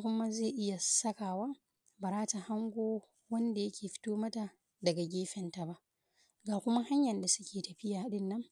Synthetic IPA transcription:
kʷʊ˦ma˦ze˦˨ʔɪ˦ja˨sɐ˦kaː˨waː˦ | ba˨ɾaː˦ta˨ha˦ŋɡʷoː˦ | wɐ˦nda˨jɐ˦kʲʰeː˨ɸɪ̥˦toː˦mɐ˦ta˨ | dɐ˨ɡa˨ɡʲeː˦ɸɛ˨nta˨ba˦ʔ | ɡaː˨kʷʊ˦ma˦ha˦ɲjɐ˨nda˨sʊ˦kʲʰeː˨tɐ˨ɸɪ˦jaː˨˦ɗɪ˦nːɐ˦ŋ

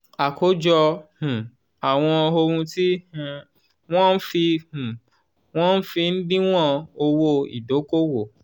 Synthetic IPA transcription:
a˨ko˨˦d͡ʒɔ˧hũ˨ | a˨w̃ɔ̃˧o˧ɾũ˧ti˦h | w̃ɔ̃˦n̩˦fi˧hũ˨ | w̃ɔ̃˦n̩˦fi˧n̩˦dĩ˦w̃ɔ̃˦˨o˧wo˦ḭ˨do˨˦ko˦wo˨

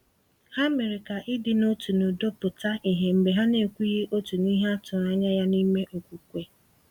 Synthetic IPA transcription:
ha˦me˨ɾɪ˨ka˨ʔɪ˦dɪ˨no˦tu˨nʊ˨do˦pʊ˨ta˦ʔi˨ɦe˨m̩˨be˨ɦa˦ne˨kʷu˦je˦ʔo˦tu˨ni˦ɦa˦tʊ˨ɾa˦ɲa˦ja˦ni˦me˦ʔo˨kʷu˨kʷe˨

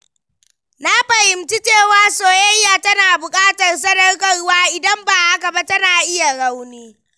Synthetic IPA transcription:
na˦ɸɐ˨hɪ˨mti˦t͡ʃeː˦˨waː˦soː˨jɐ˦jːaː˨tɐ˦naː˨bʊ˨kʼaː˦tɐ˨rs̬ɐ˦dɐ˦rkɐ˨rwaː˦ʔɪ˨dɐ˦mbaː˨ʔa˦ka˨ba˦tɐ˦naː˨ʔɪ˦ja˨ɽa˦wniː˦

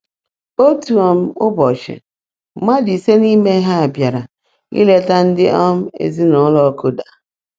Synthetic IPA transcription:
o˦tu˨ɔ˨m̩˦ʊ˦bɔ˨t͡ʃɪ̰˨˦ | ma˦di˨se˦ni˦me˦ɦa˦a˨bja˨ɾa˨ | ḭ˦le˦ta˦n̩˦dɪ˦ʔɔ˦m̩˦ḛ˨zi˦nɔ˨˦lɔ˦ko˦da˨

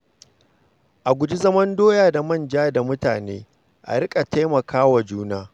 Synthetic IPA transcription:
ʔa˨ɡʷʊ˨d͡ʒi˦zɐ˦mɐ˦ndoː˦jaː˨da˨mɐ˦nd͡ʒaː˦da˨mʊ˦ta̰ː˨neː˦ | ʔa̰˨ɽɪ˦kʼa˨ta˦jmɐ˨kʰaː˦wa˨d͡ʒuː˦naː˦

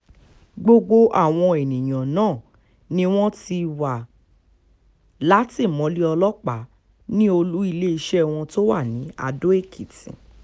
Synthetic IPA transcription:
ɡ͡bo˧ɡ͡bo˧ʔa̰˦˨w̃ɔ̃˧e˨nĩ˨j̃ã˨nãː˦˨ | nĩ˦w̃ɔ̃˦ti˧wa˨ | la˨˦ti˦˨mɔ̃˨˦li˦ɔ˧lɔ˦k͡pa˨˦ | nĩ˦o˧lu˦i˧le˦i˧ʃɛ˦˨w̃ɔ̃˧to˦wa˦˨nĩ˨˦a̰˧do˦e˦˨kʰi˨tḭ̃˨

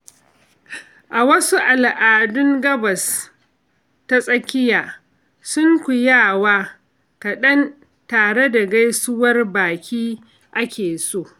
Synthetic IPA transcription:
ʔa˨wɐ˦su˦ʔa˨lʔaː˨dʊ˦ŋɡɐ˦bɐ˨s | ta˦sʼɐ˦kʲɪ˦jaː˨ | sʊ˦ŋkʷʊ˨jaː˦˨waː˦ | kɐ˨ɗɐ˦n | taː˨ɽe˦da˨ɡa˦jsʊ˦wɐ˦rbaː˨kʲiː˦ | ʔa˦kʲeː˨soː˦˨

